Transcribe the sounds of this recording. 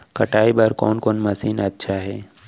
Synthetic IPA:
kɐʈʰaːibɐɾkɔ̰ːnkɔːnmɐsiːnɐtːʃʰaɦɛː

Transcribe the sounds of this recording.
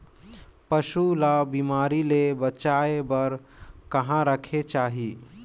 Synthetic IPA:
pəʃulabimaːɾilebət͡ʃaebəɾkəɦãɾəkʰet͡ʃaːɦi

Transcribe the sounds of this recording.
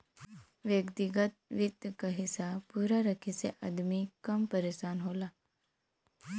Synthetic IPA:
ʋjəkt̪iɡət̪̚ʋit̪jəkəɦisapuɾaɾəkʰit͡sḛʔəd̪mikəmpəɾesanɦola

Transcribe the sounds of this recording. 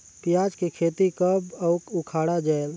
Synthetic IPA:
pijad͡ʒkekʰeːt̪ikəbəʊkukʰaːɽad͡ʒael

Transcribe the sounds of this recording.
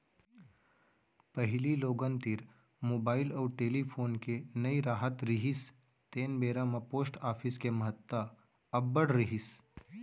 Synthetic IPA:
pɐɦliloːɡənt̪ɪɾ | moːbaːɪlɔːɾʈeːlipʰoːnkenɐiɾaːɦət̪ɾɪɦɪs | t̪eːnbeːɾãmapoːsʈaːfʰɪskemɐɦət̪ːə | ɐbːəɽɾɪɦɪs

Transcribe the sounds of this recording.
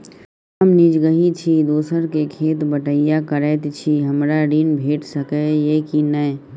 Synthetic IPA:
əmnid͡ʒɡəɦit͡ʃʰid̪oːsəɾkekʰeːt̪bəʈəɪjakəɾɛːt̪t͡ʃʰiɦəmɾaɾiːnbʱeːʈsəkejeːkinə

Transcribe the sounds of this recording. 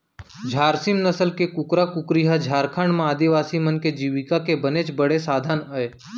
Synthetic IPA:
d͡ʒʱaːɾsimnəsəlkekʊkɾakʊkɾiɦad͡ʒʱaːɾkʰaːɳɖmãaːd̪iʋaːsimənked͡ʒiːʋɪkakebənet͡ʃbəɽesaːd̪ʱaːnəe

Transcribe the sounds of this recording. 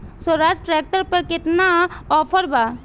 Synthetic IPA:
səɾaːd͡ʒʈɾɛːk̚ʈəɾpɐɾkɪt̪naɔːpʰəɾbaː

